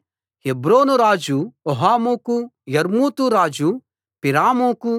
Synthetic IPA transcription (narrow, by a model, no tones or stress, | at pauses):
hebɾoːnuɾaːd͡ʒuoɦaːmukujɐɾmuːt̪uɾaːd͡ʒu | piɾaːmuku